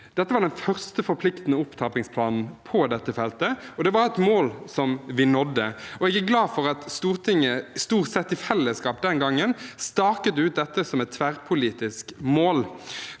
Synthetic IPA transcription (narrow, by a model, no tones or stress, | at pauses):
d̪̥ɛt̪ːəʋɑʁɖ̪ɛnfœʁst̪əfɔɾpʰlɪkt̪n̩əʊpt̪ʰɑːpɪŋspʰlɑːnn̩pʰɔd̪ɛt̪ːəfɛlt̪əɔd̪ɛʋɑɾɛt̪moːlsɔmʋɪnɔd̪ːəɔɛɡæɡlɑːfɔʁɑt̪st̪uːʁt̪ʰɪŋːəst̪uːʁt̪sɛt̪ːɪfɛlːəskɑːp̚d̪ɛnɡɑŋːənst̪ɑːkət̪əʉːt̪̚d̪ɛt̪ːəsɔmɛt̪ʰːʋæʁpʰʊliːt̪ɪskmoːl